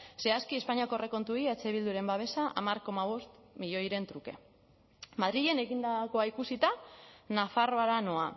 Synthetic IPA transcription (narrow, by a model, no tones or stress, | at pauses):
se̞askie̞spaɲiakore̞ko̞nt̪uiet͡se̞β̞ild̪uɾe̞mbaβ̞e̞saʔa̰maɾko̞maβ̞o̞st̪miʎo̞jɾe̞nt̪ɾuke̞̰ | mað̞ɾiʎe̞ne̞ɣind̪ako̞aikusit̪anafaro̞aɾano̞a